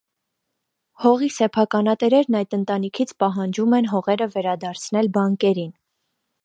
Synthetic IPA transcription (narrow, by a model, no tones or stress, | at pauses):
hɔʁisɛpʰɑkɑnɑt̪ɛɾɛɾnɑjd̪ənt̪ɑnikʰit͡sʰpɑɦɑnd͡ʒumɛnɦɔʁɛɾəvɛɾɑd̪ɑɾt͡sʰnɛlbɑŋkɛɾin